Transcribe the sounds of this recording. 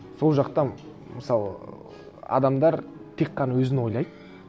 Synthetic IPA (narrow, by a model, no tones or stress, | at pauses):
so̞lˠʒɑqt̪ɑ | məsɑlˠə̰ | ɑ̰d̪ɑmd̪ɑɾt̪ʰe̞kqːɑnɑwɵzɪnwo̞jlˠɑjd̪